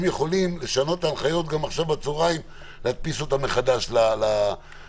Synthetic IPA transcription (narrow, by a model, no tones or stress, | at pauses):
mjeχo̞limle̞ʃano̞t̪taːnχajo̞t̪̚ɡamaχʃavbat͡soʁaim | lehat̪̚pisot̪ame̞χad̪aʃlala